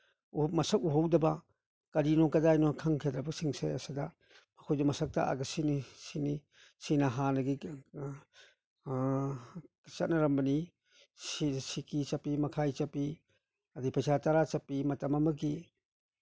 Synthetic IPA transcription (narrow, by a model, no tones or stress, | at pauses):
umɐsɐk̚uɦowdɐba | kɐɾinɔkɐdajnɔkʰaŋkʰedɾɐbɐsiŋsḛɐsada | mɐkʰojdumɐsɐk̚ta̰a̰ɡɐsinisini | sinaɦanɐɡi | t͡ʃɐt̚nɐɾɐmbɐni | sisikit͡ʃɐpimɐkʰajt͡ʃɐpːi | ɐdipʰɐsataɾat͡ʃɐpːimɐtɐmɐmɐɡi